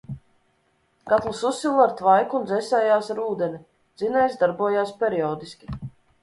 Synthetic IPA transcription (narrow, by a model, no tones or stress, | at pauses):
ɡ̥at̪lˠususːilˠaɾt̪vajkuːnzɛsʲɛːjaːsaɾuːd̪ɛni | d̪z̥inɛjsd̪aɾbuɔjaːspʲɛɾiɔːd̪isʲkʲi̥